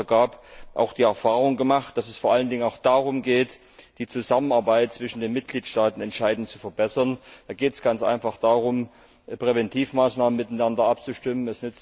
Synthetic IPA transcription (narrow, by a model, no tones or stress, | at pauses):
ɐɡaːpʔa̰ʊxd̥iːɛɐfaːʁʊŋɡəmaχtd̥asɛsfoːɐʔaləndɪŋənaʊxd̥aːʁ̞ʊmɡeːt | d̥iːt͡suzamənaɐbaɪt̚t͡sv̥ɪʃn̩deːnmɪt̚ɡ̥liːtʃtaːtn̩ɛntʃaɪdn̩tt͡su̥fɛɐbɛsɐnd̥aːɡeːtɛsɡ̥ant͡sʔa̰ɪnfaχd̥aːʁʊm | pʁ̥evɛntʰiːfmaːsnaːmənmɪtanandɐʔap̚t͡suʃtɪmənɛsnʏt͡s